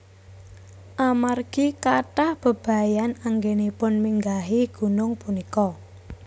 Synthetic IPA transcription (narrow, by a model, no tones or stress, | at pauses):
ʔamarɡ̥ikaʈahb̥ə̤b̥a̤janaŋɡenipʊnmiŋɡaɦiɡ̥ṳnʊŋpunikɔ